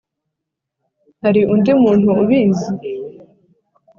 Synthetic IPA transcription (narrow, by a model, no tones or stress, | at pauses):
haɾiʔundimuːn̥huːβiːzi